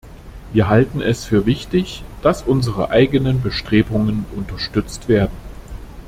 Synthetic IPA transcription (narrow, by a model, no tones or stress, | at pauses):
viːɐɦaltn̩ɛsfyːɐvɪçtɪçd̥asʔʊnzəʁə̰ʔaɪɡənənbəʃtʁ̥eːbʊŋənʔʊntɐʃtʏt͡stv̥eːɐdn̩